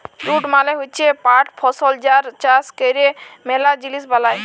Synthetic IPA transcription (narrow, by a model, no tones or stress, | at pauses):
ɾuʈmaleɦot͡ɕʰepaʈpʰɔsɔld͡ʒaɾt͡ʃaskejɾemɛlad͡ʑilisbalaj